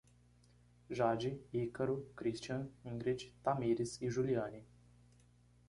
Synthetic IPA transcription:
ʒaːd͡ʒiikəɾukɾiʃt͡ʃaniŋɡɾit͡ʃt̪amiːɾisiʒulijaːnʲi

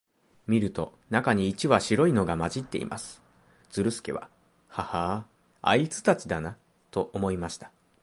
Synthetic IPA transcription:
mʲiɾɯ̟t̪o̞̰ | nakaɲ̟iːt͡ɕiβaɕiɾo̞ino̞ɡamaʑit̪ːe̞̰ḭmʔa̰sɨ̥ | d͡z̥ɨɾɯ̟sɨ̥ke̞̰βa̰ | haha | a̰it͡sɨ̥t̪at͡ɕid̪ana | t̪o̞ʔomo̞imaɕi̥t̪ḁ

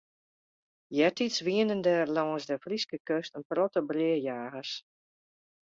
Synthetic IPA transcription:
jɛtisʋiənəndɛrlɔŋəsdəfriskəkøstənprɔtəbrɪəjaːɣəs

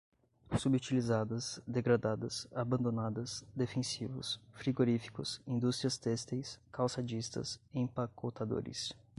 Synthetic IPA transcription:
subut͡ʃilizad̪ɐsd̪eɡɾad̪ad̪ɐsabɐ̃nd̪onad̪ɐsd̪efẽsivʊ̰sfɾiɡoɾifi̥kʊsĩd̪ust̪ɾiɐst̪ɛst̪ejskawsad͡ʒist̪ɐ̰sẽpakʰot̪ad̪o̰ɾɪ̰s

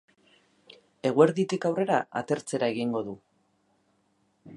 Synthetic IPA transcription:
e̞ɣ̞ue̞ɾðit̪ikawre̞ɾaa̰t̪e̞ɾt͡se̞ɾae̞ɣiŋɡo̞ðu

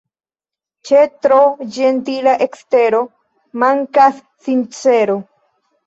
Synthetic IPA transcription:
t͡ʃet̪ɾod͡ʒentilaʔekst̪e̞ɾo̞ | maŋkasːint͡seɾo

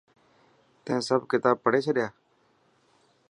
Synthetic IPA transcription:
t̪ẽːsəbkɪt̪aːb̚pəɽeːt͡ʃʰəɗɪjaː

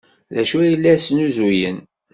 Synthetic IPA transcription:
ðæʃujəlːæsnuzujən

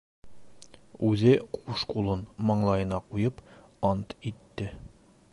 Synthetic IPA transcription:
ʉzɘquʃqulˠɤnmɒɴlˠɑjɤ̆nɑqujɤp | ɑnt̪it̪ːɘ

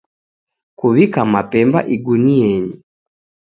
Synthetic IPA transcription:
kuβikamapɛmba̰ʔiɡuniɛɲi

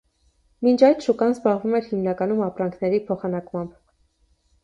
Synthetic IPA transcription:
mint͡ʃʰɑjt̪ʃukɑnzbɑʁvumɛɾhimnɑkɑnumɑpɾɑŋkʰnɛɾipʰɔχɑnɑkmɑmb

